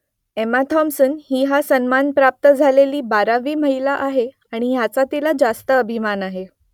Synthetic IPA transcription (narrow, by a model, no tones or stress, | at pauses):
emat̪ʰɔmsənhiːɦasənmanpɾap̚t̪əd͡zʱaleliːbaɾaʋiːməɦilaʔaɦe | aɽ̃ijat͡sat̪ilad͡zast̪əːbʱimanaɦe